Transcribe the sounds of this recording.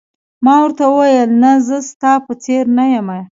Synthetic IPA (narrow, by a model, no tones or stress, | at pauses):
mɑwəɾt̪awəwajəlnazəst̪ɑpət͡seɾnajama